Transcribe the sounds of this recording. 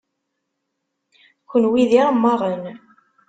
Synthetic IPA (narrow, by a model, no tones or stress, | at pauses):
çənwiðiɾˤamːɑʁˤən